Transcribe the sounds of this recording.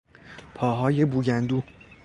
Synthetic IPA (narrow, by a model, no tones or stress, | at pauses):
pʰɒːɦɒːje̞buːɟænd̪uː